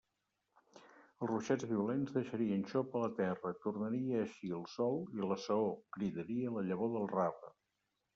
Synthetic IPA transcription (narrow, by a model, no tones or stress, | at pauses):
əlˠzruʃɛd͡zβiulenzðəʃəɾiənʃopələt̪ɛrət̪urnəɾiəːʃiəlˠsɔlˠiləsəokɾiðəɾiələʎəβoðəlˠrafə